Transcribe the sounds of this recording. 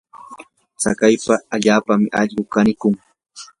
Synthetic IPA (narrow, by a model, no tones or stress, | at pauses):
t͡sa̰kajpaːʎaːpamɪʔɑʎɢʊkanɪkʊŋ